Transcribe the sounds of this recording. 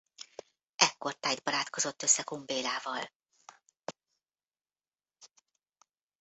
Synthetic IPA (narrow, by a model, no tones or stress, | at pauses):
ʔɛkːo̞rt̪aːjd̪̚bɒɾaːt̪ko̞zo̞t̪ːø̞sːɛkombeːlaːvɒl